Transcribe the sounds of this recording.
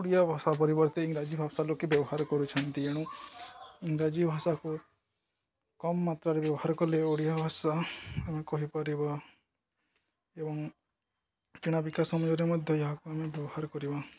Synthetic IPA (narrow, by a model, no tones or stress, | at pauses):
oɽijabʱasap̬ɔɾibɔɾt̪eiŋɡɾad͡ʒibʱabsalokebjɔbɔɦaɾɔkɔɾut͡ʃʰɔnt̪ieɽ̃ũ | iŋɡɾad͡ʒibʱasaku | kɔmːat̪ɾaɾebjɔbɔhaɾɔkɔleoɽijabʱasaamekɔɦipaɾiba | ebɔŋ | kiɽ̃abikasɔmɔjɔɾemɔd̪ʱjɔjeɦakuamebjɔbɔhaɾɔkɔɾiba